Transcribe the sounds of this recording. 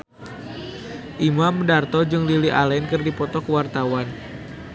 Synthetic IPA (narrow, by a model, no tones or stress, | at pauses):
ʔimamdart̪ɔd͡ʒɨŋliliʔalainkɨrdipɔt̪ɔkəwart̪awan